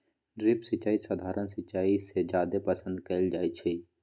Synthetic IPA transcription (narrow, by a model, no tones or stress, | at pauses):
ɖɾɪpsɪt͡ʃaːisad̪ʱaːɾənsɪt͡ʃaːised͡ʒaːd̪epəsə̃nd̪keld͡ʒaːit͡ʃʰe